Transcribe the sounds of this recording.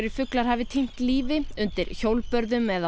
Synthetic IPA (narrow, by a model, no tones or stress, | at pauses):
ɾifʏklaɾ̥ɦaːvɪt̪ʰin̥t̪liːvɪʏnt̪ɪɾ̥çowlpœɾðʏmɛða